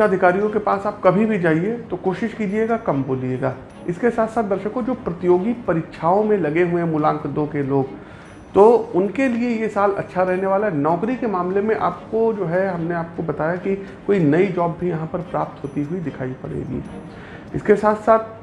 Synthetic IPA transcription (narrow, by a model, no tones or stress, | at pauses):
aɐd̪ʱɪkaːɾijõkepaːsaːp̚kɐbʱibʱid͡ʒaːɦiet̪okoːʃɪʃkiːd͡ʒieːɡakɐmboːlieːɡaː | ɪskesaːt̪ʰsaːt̪̚d̪ɐɾʃəkõd͡ʒoːpɾɐt̪ɪjoːɡipɐɾiːkːʃʰaːõmẽlɐɡeɦuemʊlãːŋkd̪õkeloːɡ | t̪oʊnkeliejesaːlɐ̰tːʃʰaɾɛɦneʋaːlaɦɛnɔːkɾikemaːmlemẽʔaːp̚kod͡ʒoːɦɛɦɐmneaːp̚kobɐt̪aːjakikoːinɐid͡ʒɔːbːʱijɐɦãpɐɾpɾaːp̚t̪ɦoːt̪iɦʊid̪ɪkʰaːipɐ̰ɽḛːɡḭː | ɪ̰skesaːt̪ʰsaːt̪̚ʰ